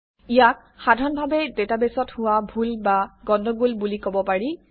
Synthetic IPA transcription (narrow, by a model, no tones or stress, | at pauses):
ijak̚ | xadʱaɹɔnbʱabɛdetabesɔthʊwabʱulbaɡɔndɔɡulbulikobɔpaɹi